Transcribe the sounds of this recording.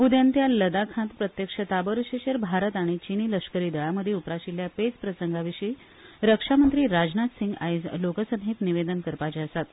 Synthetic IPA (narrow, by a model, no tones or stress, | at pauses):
ud̪jant̪jaləd̪akʰãnt̪pɾət̪jəkʂət̪abəɾɕeɕəɾbʱaɾət̪aɽ̃it͡ɕiniləʂkəɾiːd̪əɭaməd̪ʱːjeupɾaɕiljapet͡spɾəsəŋɡaʋiɕiː | ɾəkʂamənt̪ɾiːɾad͡ʑnat̪siŋɡajd͡zlokəsə̃ŋɦit̪niʋed̪ənkəɾpat͡ɕeəsat̪